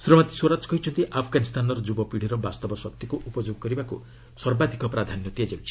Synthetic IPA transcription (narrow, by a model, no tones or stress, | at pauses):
sɾɔmat̪i̥swoɾad͡ʒɔ̥kɔɦit͡ʃʰɔnt̪iʔapʰɔɡanist̪ʰanɔɾɔd͡ʒubɔpiɽ̤iɾɔbast̪ɔbɔsɔk̚t̪ikuʔupɔd͡ʒoɡɔkɔɾibaku | swɔɾbad̪ʱikɔpɾad̪ʱanjɔt̪iad͡ʒabut͡ʃʰi̥